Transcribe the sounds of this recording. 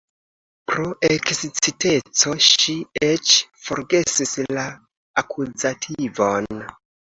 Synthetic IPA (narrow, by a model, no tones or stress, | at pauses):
pɾoʔeksit͡site̞t͡so̞ʃiet͡ʃfo̞ɾɡe̞sisla | akʰuzatʰivo̞n